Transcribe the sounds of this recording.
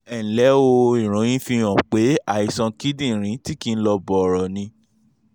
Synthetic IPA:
ɛ˨lɛ˨˦o˧i˨ɾ̃ũ˨˦j̃ĩ˦fĩ˧ɔ̃˨k͡pe˨˦a˦˨i˨sã˧ki˦dĩ˦˨ɾ̃ĩ˨˦ti˦kĩ˧n̩˦lɔ˧bɔ˨ɾɔ˨nĩ˧

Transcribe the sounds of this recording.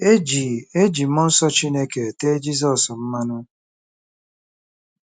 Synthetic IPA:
e˦d͡ʒi˨e˦d͡ʒi˨m̩˦ɔ˦n̩˦sɔ˦t͡ʃi˦ne˦ke˨te˦d͡ʒi˦s̬ɔ˨sm̩˦ma˦nʊ˦

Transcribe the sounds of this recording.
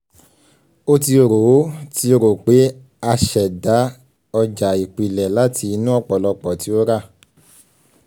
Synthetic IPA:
o˦ti˧o˨ɾo˨˦ti˦o˧ɾo˨k͡pe˨˦ | a˧ʃɛ˨da˨˦ | ɔ˧d͡ʒa˨i˨k͡pi˨lɛ˨la˨˦tʰi˧nũ˦ɔ˦˨k͡pɔ˨lɔ˧k͡pɔ˨ti˨˦o˦ɾa˦˨

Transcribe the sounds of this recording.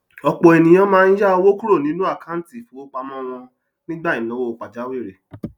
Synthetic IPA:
ɔ˧k͡pɔ˨ɛ˨nĩ˨j̃ã˨˧mãː˦˧n̩˦d͡ʒa˦o˧wo˦ku˦ɾo˦˨nĩ˨˦nũ˦a˦˨ka˨˦n̩˦ti˦˨fũ˨˦o˦k͡pa˧mɔ̃˦w̃ɔ̃˧ | nĩ˦ɡ͡ba˦i˨nɔ̃˨˦wo˦o˧k͡pa˨d͡ʒa˨˦we˦˨ɾe˨

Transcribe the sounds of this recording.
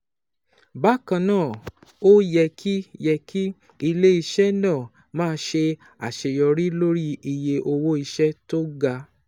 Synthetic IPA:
ba˦kã˧nãː˦˨ | o˦jɛ˧kʰi˦jɛ˧kʰi˦ | i˧le˦i˧ʃɛ˦nãː˦˨ | mãː˦˧˦ʃe˧ | a˨ʃe˧jɔ˧ɾi˦lo˦ɾi˦i˧je˧ʔo˧wo˦i˧ʃɛ˦to˦ɡa˧

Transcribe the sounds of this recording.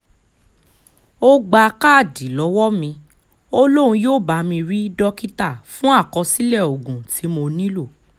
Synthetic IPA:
o˦ɡ͡ba˧ka˦˨di˨˦lɔ˨˦wɔ˦mĩ˧ | o˦lo˦ɾ̃ũ˧joː˦˨ba˨˦mĩ˧ɾi˦dɔ˦ki˦ta˦˨fũ˦a˦˨kɔ˧si˦lɛ˦˨o˨ɡũ˨tʰi˨˦mo˧nĩ˦lo˦˨

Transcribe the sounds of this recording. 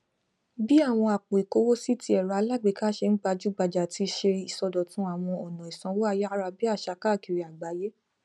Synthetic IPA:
bi˦a˦˨w̃ɔ̃˧a˨k͡po˨i˨ko˨˦wo˦si˦ti˧˦ɛ˨ɾa˨˧la˦˨ɡ͡be˨ka˦ʃe˧n̩˦ɡ͡ba˧d͡ʒu˦ɡ͡ba˧˨d͡ʒa˨ti˧ʃe˧i˨sɔ˧dɔ˨tũ˨˦a˦˨w̃ɔ̃˧ɔ˨nã˨i˨sã˧˦wo˦a˧ja˦ɾa˧bi˦a˦˨ʃa˧˦ka˦˨ki˨ɾi˧˦a˨ɡ͡ba˨˦je˦

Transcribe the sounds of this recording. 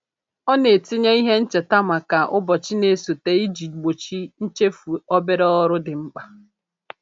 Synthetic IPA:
ɔ˦ne˨tɪ˦ɲe˦i˦ɦe˦n̩˦t͡ʃe˨ta˦ma˨ka˨ʔʊ˦bɔ˨t͡ʃi˦ne˦so˨te˨i˦d͡ʒi˨ɡ͡bo˨t͡ʃi˦n̩˦t͡ʃe˦fu˨ɔ˦be˦ɾe˦ɔ˦ɾʊ˦dɪ˨ŋ͡m̩˦k͡pa˦

